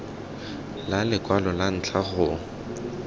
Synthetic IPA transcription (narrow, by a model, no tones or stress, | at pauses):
lalɪkʼwalɔlan̩t͡ɬʰaɣʊ